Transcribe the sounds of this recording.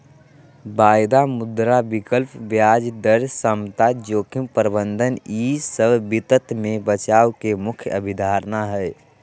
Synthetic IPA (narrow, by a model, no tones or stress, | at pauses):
bajd̪amʊd̪ɾabikəlpʋjad͡ʒd̪əɾsəmt̪ad͡ʒoːkʰimpəɾbənd̪ʱənisəbbit̪ət̪mebət͡ʃawkemʊkʰjəbʱid̪ʱaɾnaɦɛj